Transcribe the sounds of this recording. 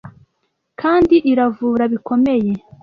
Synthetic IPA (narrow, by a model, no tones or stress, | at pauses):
kʰaːndiʔiɾavuːɾaβiko̞me̞je̞